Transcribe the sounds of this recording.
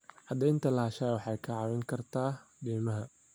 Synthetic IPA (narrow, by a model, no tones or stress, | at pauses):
ʕɐd̪ɛjɪnt̪ʰɐlɐhɐʃaːwɑħɑjkʰɐʕɑwɛŋkʰɐrt̪ʰaːɖiːmɐɦɐ